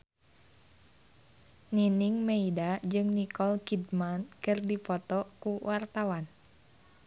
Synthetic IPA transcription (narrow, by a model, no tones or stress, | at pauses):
niniŋmeidad͡ʒɨŋnikɔlkidmankɨrdipɔt̪ɔkuwʔart̪awan